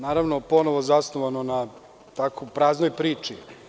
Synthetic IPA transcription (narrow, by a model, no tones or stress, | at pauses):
naːɾaʋnopo̞noʋozasnoʋanona | t̪akopɾaːznojpɾiːt͡ʃi